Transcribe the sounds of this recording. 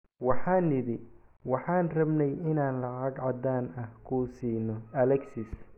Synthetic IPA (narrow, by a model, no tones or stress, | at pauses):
wɑħɑːnːɪðɪwɑħɑːnrɐbnɛjɪnaːnlɑʕɑɡʕɑd̪aːnɐhkʰuːsiːnɔɐlɛksɪs